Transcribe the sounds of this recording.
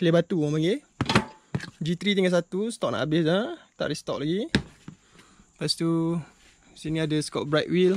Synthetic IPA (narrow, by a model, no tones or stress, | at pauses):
klebat̪uapaŋɡe | d͡ʒit̪ɾit̪iŋas̬at̪ust̪ɔk̚na̰ʔabɪsat̪a̰ʔɾist̪ɔʔ̚laɡi | past̪u | siniadəskɔʔ̚bɾat̪wil